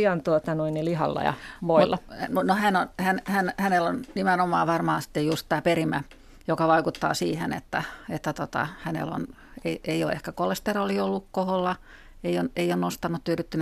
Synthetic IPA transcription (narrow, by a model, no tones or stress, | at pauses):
iɑnt̪uot̪ɑnuinːilihɑ̰lːɑ̰jɑ̰ʋoilːɑnonohænonhænhænhænelonnimenomˑɑːʋɑrmɑːsi̥t̪ːejjust̪t̪æːperimæ | jokɑʋɑikut̪ːɑ̰ːsiːhenḛt̪ːæet̪ːæt̪ot̪ɑ̰hænḛlo̰n | eieio̰ḛhkækolest̪eroliolːukkoholːɑ | eioneijonnost̪ɑnːut̪t̪yryt̪ːynæ